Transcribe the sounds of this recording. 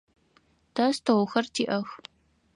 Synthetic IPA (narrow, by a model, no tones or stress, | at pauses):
tʰɐstʰɐwxɐrtʰiːʔɐx